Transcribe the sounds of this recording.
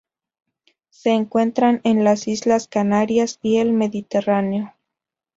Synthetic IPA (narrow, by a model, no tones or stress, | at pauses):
se̞ːŋkwe̞nt̪ɾane̞nlasizlaskanaɾjasie̞lme̞ðit̪e̞raneo̞